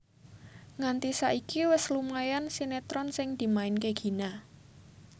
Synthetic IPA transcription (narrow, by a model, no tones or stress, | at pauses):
ŋant̪isaʔikiwɪslumajansinet̪ɾɔnsɪŋd̪̥i̤maɪnkeɡ̥i̤na